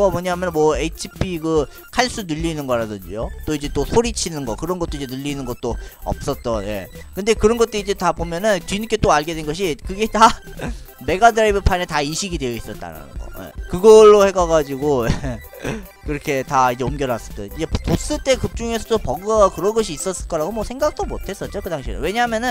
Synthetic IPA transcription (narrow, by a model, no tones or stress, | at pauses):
ɡamwʌɲaɦamjʌnmwʌet͡ɕʰipʰiɡɯ | kʰaɭs͈unɯʎːinɯnɡʌɾadɯnd͡ʑijot͈oid͡ʑe̞t͈osʰoɾit͡ɕʰinɯnɡʌkɯɾʌnɡʌt͈oid͡ʑe̞nɯʎːinɯnɡʌt̚t͈oʌ̰p̚s͈ʌt̚t͈ʌnje̞̰kɯnde̞kɯɾʌnɡʌt͈̚oid͡ʑe̞tabomjʌnɯntinik͈ʰe̞t͈oaɭɡedwenɡʌɕ̬ʰikɯɡe̞ta | me̞ɡadɯɾaibɯpʰanetaiɕʰiɡidwe̞jʌis͈ʌt̚t͈a̰ɾa̰nɯ̰nɡʌ̰jḛkɯɡʌɭːohe̞ɡaɡad͡ʑiɡoje | kɯɾʌkʰe̞taid͡ʑe̞omɡjʌnas͈ʌ̥t͈ʌjoid͡ʑe̞pos͈ɯɭt͈e̞kɯt͡ɕ͈uŋe̞sʰʌt͈opʌɡkɯɾʌnɡʌɕʰiːs͈ʌs͈ɯɭk͈ʌɾaɡomwʌsʰe̞ŋɡak̚t͈omotʰe̞s͈ʌt̚t͡ɕ͈okɯdaŋɕʰinɯ̰nwe̞ɲaɦmjʌnɯn